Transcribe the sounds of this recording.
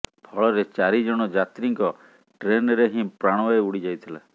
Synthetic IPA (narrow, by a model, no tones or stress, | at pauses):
pʰɔɭɔɾet͡ʃaɾid͡ʒɔɽ̃ɔd͡ʒat̪ɾiŋkɔ | ʈɾenɔɾeɦĩpɾaɽ̃ɔwaeuɽid͡ʒajt̪ʰila̰